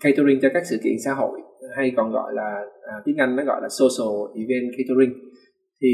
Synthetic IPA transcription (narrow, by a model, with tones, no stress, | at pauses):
ka˧jt̪o˧ɾi˧ŋ̟t͡ɕɔ˧kaː˦˥k̚sɨ̰˧˨kḭ˧˨ənsa̰ː˧˦ɦo̰˧˨jha˧jkɔ˨˩nɣɔ̰˧˨jlaː˨˩˨t̪i˨˦ŋʔa˧jŋ̟nɔ̰˨˦ɣɔ̰˧˨jlaː˨˩so˧so˨˩ʔi˧˩vɛ˧nkʰa˧t̪o˧ɾï˧ŋ̟ | t̪ʰi˨˩